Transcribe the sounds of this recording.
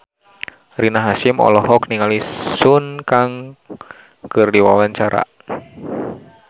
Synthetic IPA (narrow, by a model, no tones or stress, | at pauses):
rinaɦasimɔ̰lɔɦɔkniŋalisunkaŋ | kɨrdiwawaɲt͡ʃaɾa̰